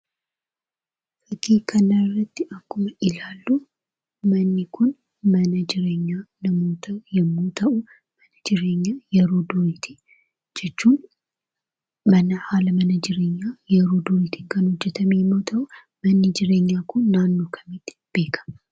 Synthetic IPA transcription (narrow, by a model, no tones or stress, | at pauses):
ʔɐɡiːkʰɐnɐrːɐt̪ːɪʔɐkːʊmɐʔɪlaːlːu | mɐnːikʰʊn | mɐnɐd͡ʒɪɾeːɲːanɐmoːt̪ʰɐjɪmːoːt̪ʰɐʔʊ | mɐnɐd͡ʒɪɾeːɲːaːjɛɾoːd̪ʊɾit̪ʰi̥ | d͡ʒɛt͡ʃːuːn | mɐnɐhaːlɐmɐnɐd͡ʒɪɾeːɲːajɛɾod̪ʊɾit̪ʰikɐnhʊd͡ʒːɛt̪ʰɐmijɪmːot̪ʰɐʔʊ | mɐnːid͡ʒɪɾeːɲːaːkʰʊnːaːnːoːkʰɐ̥mit̪ː | b̥e̞ːkʰɐ̥m